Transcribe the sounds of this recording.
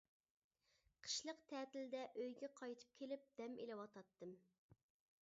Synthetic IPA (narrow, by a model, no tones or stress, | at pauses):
qʰə̥ʃlˠəqt̪ʰɛːt̪ɪld̪ɛʔøjɡʲɛqʰɑjt̪ʰɨ̥p̚kʲʰelɪp̚d̪ɛmelɪwɑt̪ʰɑt̪ːɨm